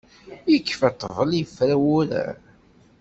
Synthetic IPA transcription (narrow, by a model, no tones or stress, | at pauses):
jəkːfæt̪ˤːəvˤəlifɾæwʊɾæ̰